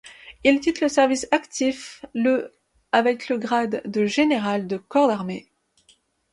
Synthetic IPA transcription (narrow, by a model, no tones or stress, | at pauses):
ilt̪ʲit̪ləsɛʁvisakt̪ʰiflə | avɛkləɡʁad̪ːəʒeneʁald̪əkɔʁd̪aʁme